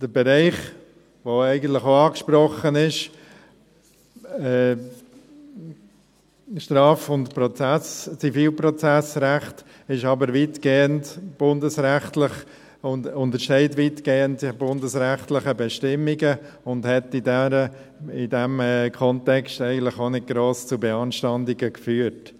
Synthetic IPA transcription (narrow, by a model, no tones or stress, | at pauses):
d̥əɾbɛɾɛɪχ | ʋoɛɪɡən̩tlɪχoɑːkʃpɾɔχːənɪʃ | ɛː | ʃtɾɑːfʊntpɾɔt͡sæst͡sifiːlpɾɔt͡sæsɾæχt | ɪʃɑbəɾʋiːtɡ̥eːəntb̥ʊndəsɾæχtlɪχ | ʊnʊntəɾʃtɛɪtʋiːtɡ̥eːəntb̥ʊndəsɾæχtlɪχəbɛʃtɪmːiɡə | ʊndhɛtidɛɾə | ɪdɛmkʰɔntɛkstɛɪɡən̩tlɪχonɪɡ̚ɡ̥ɾoːst͡subɛɑnʃtɑndɪɡəkfyːəɾt